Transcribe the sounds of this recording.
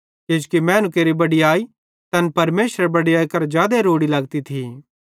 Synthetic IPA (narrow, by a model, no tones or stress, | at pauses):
ked͡ʒkimɛ̃ːnũkeːɾibɐɽiaːi | t̪ɐnpɐɾmeːsɾebɐɽiaːikɐɾd͡ʒjaːd̪eɾoːɽilɐɡt̪it̪ʰiː